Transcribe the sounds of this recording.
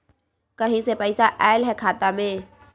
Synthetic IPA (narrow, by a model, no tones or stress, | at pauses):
kəɦĩsepɛɪsaʔɛːlɦɛkʰaːt̪amẽː